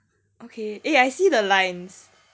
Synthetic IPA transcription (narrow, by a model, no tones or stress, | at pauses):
ʔokʰeʔeajsidəlãɪns